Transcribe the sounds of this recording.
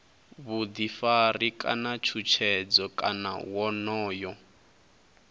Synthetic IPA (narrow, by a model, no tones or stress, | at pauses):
βud̪ifarikʼa̰nat͡ʃʰut͡ʃʰɛd͡zɔkʼa̰na̰wɔnɔːjɔ